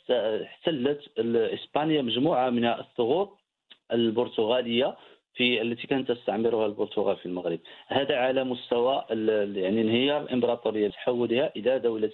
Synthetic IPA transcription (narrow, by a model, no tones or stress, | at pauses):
ħt̪ːəlːət̪əəsbænəjːaməʒmuʕamənhæʔəsˤːoɣuɾ̚ˤ | ʔəlbʊɾt̪ʊɣæləjːa | fiəlːæt̪ikænət̪ːəst̪aʕməɾuhælbʊɾt̪ʊɣælfilməɣɾəb̚hæd̪æʕalæmʊst̪æwæjaʕninhəjɑɾˤəlʔəmbɾˤɑt̪ˤuɾəjːat̪ħawːəlhæʔəlæd̪æwlə